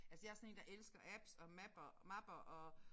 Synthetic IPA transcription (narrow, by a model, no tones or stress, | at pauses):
ælsə̥jɑ̈æɐsɒ̽ne̝ːnd̥ɑ̈ʔelsɡ̥ɐʔæb̥sɒ̽mæb̥ɐmɑb̥ɐʔɒ̽